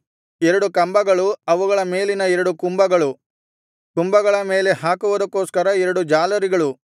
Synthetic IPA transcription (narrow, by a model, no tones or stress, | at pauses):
ɛɾɐɽukɐmbɐɡɐɭuɐʋuɡɐɭɐme̞ːlinɐɛɾɐɽukumbɐɡɐɭu | t̪umbɐɡɐɭɐme̞ːle̞ɦaːkuʋud̪ɐkːo̞ːskɐɾɐɛɾɐɽud͡ʒaːlɐɾiɡɐɭu